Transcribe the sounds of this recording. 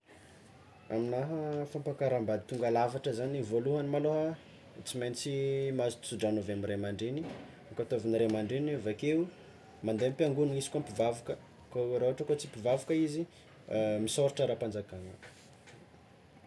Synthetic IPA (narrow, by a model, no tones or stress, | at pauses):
aminaɦəfampakaɾambad̪it̪uŋɡalavaʈ͡ʂəzanivoluɦanimaloɦa | t͡simejnit͡simazit͡suɖ͡ʐanovamiremaɳɖ͡ʐeni | kat̪oviniɾemaɳɖ͡ʐenavakeu | mand̪empiaŋɡunuŋisi̥kampivavukə | koɾoɦaʈ͡ʂəkot͡sipivavukəizi | misoɾiʈ͡ʂəɾapand͡zakanə